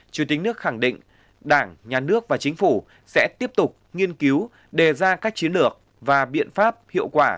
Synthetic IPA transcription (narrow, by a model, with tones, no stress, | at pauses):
t͡ɕi˧˩t̪i̟˨˦nɨ˦˥ək̚xa˧˩ŋɗḭ̈˧˨ŋ̟ | ɗaː˧˩ŋɲaː˨˩nɨ˦˥ək̚vaː˨˩t͡ɕï˨˦ŋ̟fu˧˩ | sɛ̰˧˥t̪i˦˥əp̚t̪ʊ˨˩k͡p̚ŋi˧ənki˨˦w | ɗe˨˩zaː˧kaː˦˥k̚t͡ɕi˨˦ənlɨ˨˩ək̚ | vaː˨˩ɓḭ˧˨ənfaː˦˥p̚hḭ˧˨əwkwaː˧˩